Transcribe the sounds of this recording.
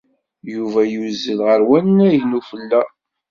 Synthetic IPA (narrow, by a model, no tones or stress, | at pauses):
juvæjuzːəlʁəɾwænnæʝnufəlːæ